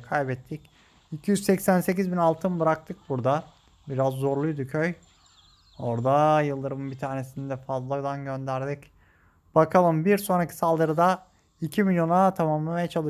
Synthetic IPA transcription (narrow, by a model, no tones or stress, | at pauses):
kʰajbɛt̪ʰːic | icʰijyzsɛcsænse̞cizbinalˠt̪ʰɯmb̪ɯɾak̚t̪ʰɯk̚buɾd̪a | biɾazːo̞ɾlˠujd̪ucʰøj | o̞ɾd̪ajɯlˠd̪ɯɾɯmɯbit̪ʰaːɾne̞sinɛd̪ɛfazlˠad̪ˠanɟø̞nd̪æɾd̪ic | b̥akʰalˠɯmbiɾso̞nɾakcʰi̥salˠd̪ɯɾɯd̪a | icʰimilʲjo̞nat̪ʰamamlˠamajat͡ʃʰalˠɯ